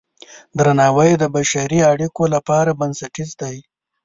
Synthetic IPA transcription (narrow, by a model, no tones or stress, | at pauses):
d̪ɾanɑwajd̪əbaʃaɾiaɽikolapɑɾabɐnsaʈizd̪aj